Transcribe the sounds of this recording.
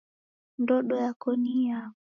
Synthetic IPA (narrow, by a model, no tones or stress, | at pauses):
ndɔɗɔjakɔnia